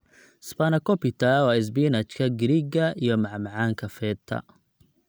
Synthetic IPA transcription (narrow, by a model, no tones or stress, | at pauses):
spanɐkʰɔpit̪ʰɐwɑːɪs̬binat͡ʃkʰɐɡɪɾiɡɐʔijɔmɑʕmɑʕaːŋkʰɐfɛːt̪ʰɐ̰